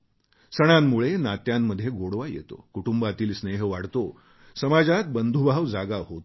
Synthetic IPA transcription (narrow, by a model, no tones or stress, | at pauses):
səɽ̃amːuɭenat̪jamːəd̪ʱjeɡoɽʋajḛt̪o̰kuʈumbat̪iːlsneɦəʋaɽt̪o | səmad͡zat̪̚bənd̪ʱubʱaʋd͡zaɡaɦot̪